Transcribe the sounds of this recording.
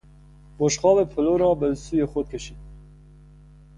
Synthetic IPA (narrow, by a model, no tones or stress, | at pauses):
boʃxɑːvepʰʊloɾɑːbəlsuːjeːxʷɔd̪̚kʰɛʃi